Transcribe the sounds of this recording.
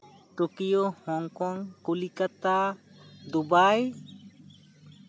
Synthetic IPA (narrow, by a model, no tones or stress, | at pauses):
ʈokijohɔŋkɔŋkulikat̪ad̪ubaj